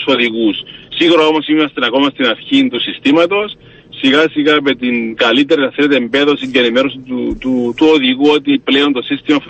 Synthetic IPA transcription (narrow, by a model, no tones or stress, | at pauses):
soðiɣusːiɣuɾoo̞mosimeɾɐst̪inɐko̞mɐst̪inɐɾçint̪usist̪imɐt̪o̞sː | iɣasiɣɐmet̪inkɐlit̪e̞ɾinɐθele̞t̪eːmbe̞ðo̞sienime̞ɾosit̪ut̪ut̪uoðiɣuo̞t̪ipleo̞nt̪o̞sist̪imɐf